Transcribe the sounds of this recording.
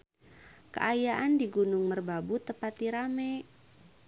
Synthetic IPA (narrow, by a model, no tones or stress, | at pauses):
kə̰ʔajaʔandiɡunʊŋmərbabut̪əpat̪̚diɾamɛ